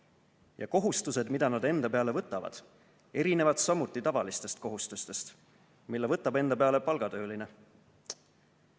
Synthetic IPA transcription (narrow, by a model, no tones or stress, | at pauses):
jɑko̞ɦust̪use̞d̪mid̪̥ɑnɑd̪e̞nd̪ɑpe̞ɑle̞vɤt̪ːˑɑvɑ̰d̪̥ | e̞ɾine̞vɑd̪̥sɑmut̪ːˑit̪ɑvɑlist̪e̞st̪̚ko̞ɦust̪ust̪e̞st̪ | milːevɤt̪ːˑɑbe̞nd̪ɑpeɑle̞pɑlɡ̥ɑt̪ø̞ːline̞